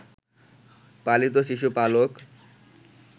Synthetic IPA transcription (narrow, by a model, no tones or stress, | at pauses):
palit̪̬oʃiʃ̬upalok